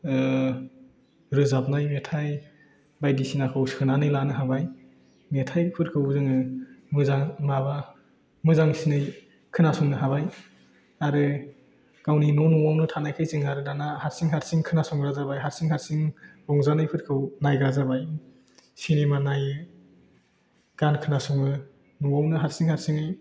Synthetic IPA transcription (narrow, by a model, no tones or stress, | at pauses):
ɾɯzap̚najmetʰaj | bajdisinakʰɯwskʰɯnanɯjlanɯɦabaj | metʰajpʰɯɾkʰɯwzɯŋɯmɯzaŋmaβa | mɯzaŋsinɯj | kʰɯnasuŋnɯɦaβaj | aɾɯ | kawninɔnuwawnɯtʰanajkʰajzɯŋaɾɯdanahaɾsiŋɦatsiŋkʰɯnasɔŋɾazabajɦaɾsiŋhatsiŋɾɔŋzanɯjpʰɯɾkʰɯwnajɡɾazabaj | sinemanaj | ɡ̥ankʰɯnasɔŋɯ | nuwawnɯɦatsiŋhaɾsiŋɯj